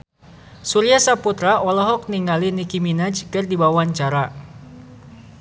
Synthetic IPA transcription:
suɾiasaput̪ɾaʔɔlɔɦɔk̚niŋalinikiminad͡ʒkɨrdibawaɲt͡ʃaɾa

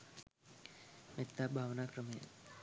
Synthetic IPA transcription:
met̪ːabʱaːʋnaːkɾəmɐjə̰

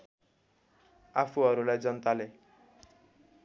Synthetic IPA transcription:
apʰuɦʌɾulajd͡zʌnt̪ale

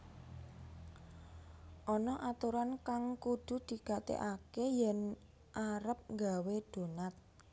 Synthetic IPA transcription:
ʔɔnɔʔat̪uɾankaŋkud̪̥ṳd̪̥i̤ɡ̥a̤t̪ḛʔakejɛn | ʔaɾəp̚ŋɡawed̪̥o̤nat̪̚

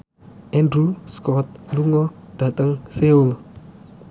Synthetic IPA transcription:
ʔɛndɾuskɔt̪̚luŋɔd̥a̤t̪əŋseul

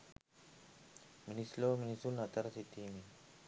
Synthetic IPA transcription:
minisloːminisulnɐt̪ɐɾsit̪iːmi

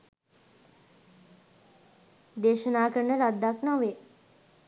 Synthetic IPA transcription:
d̪eːʃənaːkəɾənəɾad̪ːaknɔʋe

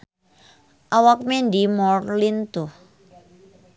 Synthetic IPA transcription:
ʔawak̚mendimɔrlint̪oh

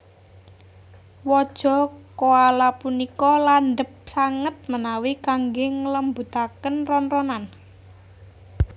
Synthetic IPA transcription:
wɔd̥ʒ̥ɔ̤koalapunikɔlanɖəp̚saŋət̪̚mənawikaŋɡeŋələmbut̪akənrɔnrɔnan

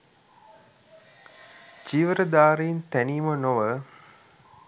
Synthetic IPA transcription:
d͡ʒiʋəɾəd̪aːɾejint̪ænijmənoʋə

